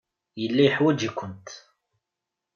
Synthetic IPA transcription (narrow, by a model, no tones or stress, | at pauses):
jəlːæjħwæd͡ʒikʷːʊnt̪